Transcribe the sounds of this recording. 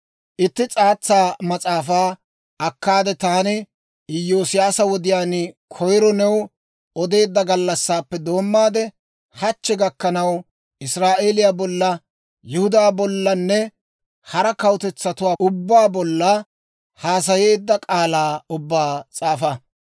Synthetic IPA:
ʔɪt̪ːɪt͡sʼaːt͡sːaːmɐt͡sʼaːfaː | ɐkːaːd̪ɛt̪aːnɪ | ɪjoːsɪjaːsɐwɔd̪ɪjaːnkʰɔjɾɔnɛw | ɔd̪e̞ːd̪ːɐɡɐlːɐsːaːpːɛd̪o̞ːmːaːd̪ɛ | hɐt͡ʃːɛɡɐkːɐnɐw | ʔɪsɾaːʔe̞ːlɪjaːbɔlːɐ | jɪhʊd̪aːbɔlːɐnːɛ | hɐɾɐkɐwʊt̪ɛt͡sːɐt̪ʊwaːʊbːaːbɔlːɐ | haːs̬ɐjeːd̪ːɐkʼaːlaːʊbːaːt͡sʼaːfɐ

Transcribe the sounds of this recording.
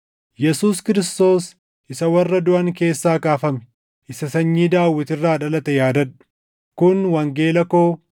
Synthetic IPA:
jɛsuːskɪɾɪst̪o̞ːs | ʔɪsɐwɐrːɐd̪ʊʔɐŋke̞ːsːaːkaːfɐmɛ̥ | ʔɪsɐsɐɲːiːd̪aːwːɪt̪ɪrːaːᶑɐlɐt̪ɛjaːd̪ɐᶑʊ̥ | kʊnwɐŋɡe̞ːlɐko̞ː

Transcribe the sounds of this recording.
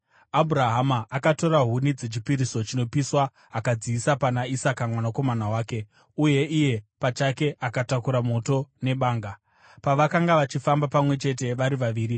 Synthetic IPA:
abʱuɾaɦamaʔːkato̞ɾaɦunid͡zet͡ʃipiɾiso̞t͡ʃino̞piswa | akad͡ziːsapanaisakamwanako̞manawaːke̞ | uje̞ʔije̞pat͡ʃake̞ʔakatakuɾamo̞to̞ne̞ɓaːŋɡa | paʋakaŋɡaʋat͡ʃifambapamwe̞t͡ʃe̞t̬e̞ʋaɾiʋaʋiːɾi

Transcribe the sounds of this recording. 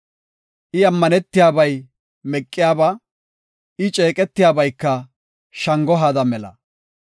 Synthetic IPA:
ʔɪɐmːɐnɛt̪ːɪjaːbɐj | mɛkʼːɪjaːba | ɪt͡ʃʼe̞ːkʼɛt̪ːɪjaːbɐjkːɐ | ʃɐŋɡɔɦaːd̪ɐmɛlɐ̰

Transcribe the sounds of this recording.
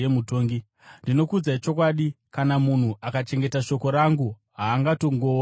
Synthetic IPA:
emuto̞ːŋɡi | ndino̞kud͡zait͡ʃo̞kwaɗi | kanamun̤uʔakat͡ʃe̞ŋɡe̞taʃo̞ko̞ɾaŋɡu | ɦaːŋɡato̞ŋɡo̞

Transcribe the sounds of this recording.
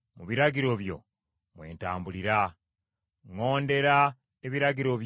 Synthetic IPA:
muβiɾaɡiɾo̞βjo̞̰ | mwe̞̰ːntaːmbuliɾa | ŋo̞ːnde̞ɾa | eβiɾaɡiɾo̞βj

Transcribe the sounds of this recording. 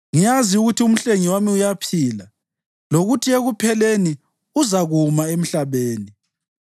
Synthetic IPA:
ŋijaziuɣutʰium̩ɬeŋiwamiujapʰiːla | loɣutʰieɣupʰɛleni | uzaɣumaem̩ɬaβeːni

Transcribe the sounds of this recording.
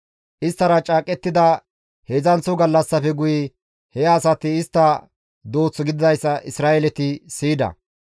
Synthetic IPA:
ʔɪst̪ːɐɾɐt͡ʃʼaːkʼɛt̪ːɪd̪ɐ | hezɐnt͡sːʊɡɐlːɐsːɐfɛɡʊjɪ | hɛːsɐt̪ɪːst̪ːɐ | d̪oːt͡sːɔɡɪd̪ɪd̪ɐjsːɐʔɪsɾaːjɛlɛt̪ɪsiːd̪ɐ̰

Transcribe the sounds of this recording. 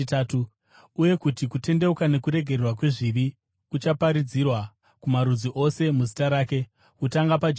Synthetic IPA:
taːtu | uje̞kutikute̞nde̞ukane̞kuɾe̞ɡʱererwakwe̞ʐiʋi | kut͡ʃapaɾid͡zirwa | kumaɾud͡ziʔo̞se̞muzitaɾaːke̞ | kutaŋɡapad͡ʒ

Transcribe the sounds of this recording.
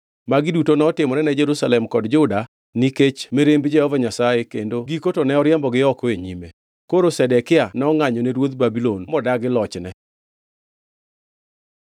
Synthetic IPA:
maɡɪdutonɔtɪmɔɾɛnɛd͡ʒɛɾusalɛmkɔdd͡ʒʊda | niket͡ʃmeɾembd͡ʒɛhɔvaɲasajekendoɡikotonɛɔɾjɛmbɔɡɪɔkɔeɲime | koɾosɛdɛkɪanɔŋaɲɔneɾwot̪̚babilonmɔdaɡɪlɔt͡ʃnɛ

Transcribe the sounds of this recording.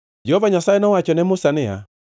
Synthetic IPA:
d͡ʒɛhɔvaɲasaɛnɔwat͡ʃɔnɛmosanɛa̰

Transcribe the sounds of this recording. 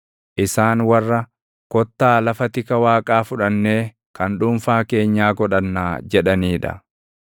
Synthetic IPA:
ʔɪsaːnwɐrːɐ | kɔt̪ːaːlɐfɐt̪ɪkɐwaːkʼaːfʊᶑɐnːeː | kɐnᶑʊmfaːke̞ːɲːaːɡɔᶑɐnːaːd͡ʒɛᶑɐniːᶑɐ̰

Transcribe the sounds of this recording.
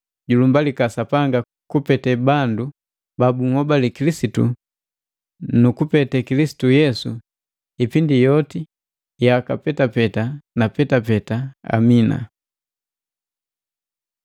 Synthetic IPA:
ɟulumbalikasapaŋɡa | kupɛtɛbandu | babuŋ̩hɔbalikilisitṵ | nukupɛtɛkilisi̥tujɛsu | ipindijɔti | jakapɛtapɛtanapɛtapɛtaa̰mina̰

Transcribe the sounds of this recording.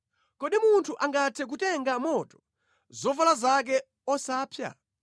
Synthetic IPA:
kɔɗimuntʰuʔaŋɡatʰɛk̬utɛŋɡamɔtɔ̥ | zɔvalazak̬ɛ | ɔsaːpʰja̰

